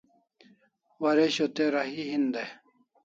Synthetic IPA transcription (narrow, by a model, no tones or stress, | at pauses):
wɐɾeɕot̪eɾɐɦiɦind̪e